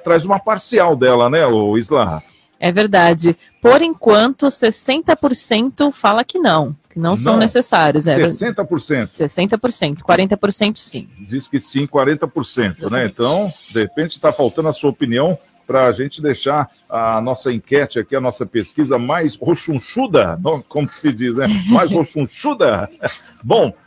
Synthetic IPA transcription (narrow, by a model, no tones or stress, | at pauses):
t̪ɾajzũmɐpaɾsiawd̪ɛlɐnɛoizla | ɛveɾd̪ad͡ʒɪ | poɾẽkwɐ̃nt̪ʊsesẽnt̪ɐpoɾsẽnt̪ʊfalɐkɪnɐ̃w̃kɪnɐ̃w̃sɐ̃w̃nesesaɾjʊsɛssẽnt̪ɐpoɾsẽnt̪ʊ̥sesẽnt̪ɐpoɾsẽnt̪ʊ̥kwaɾẽnt̪ɐpoɾsẽnt̪ʊ̥sḭ̃d͡ʒiskɪsĩkwaɾẽnt̪ɐpoɾsẽnt̪ʊnɛẽnt̪ɐ̃w̃d̪ehepẽnt͡ʃɪ̥t̪afawt̪ɐ̃d̪ʊɐsuɐopiniɐ̃w̃ | pɾɐːʒẽnt͡ʃɪd̪eʃaɾ | ɐnɔsɐĩkɛt͡ʃɪakiɐnɔsɐpeskizɐmajshoʃũʃud̪ɐnɐ̃kõmʊ̥sɪd͡ʒiznɛmajzhoʃũʃud̪ɐ | bõw̃